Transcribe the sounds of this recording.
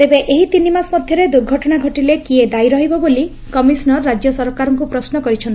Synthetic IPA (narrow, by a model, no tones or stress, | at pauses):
t̪ebeʔeɦit̪inimasmɔd̪ʱjɔɾed̪uɾɡʱɔʈɔɽ̃aɡʱɔʈilekied̪aiɾɔɦibɔboli | kɔmisnɔɾːad͡ʒjɔsɔɾkaɾɔŋkupɾɔsnɔkɔɾit͡ʃʰɔni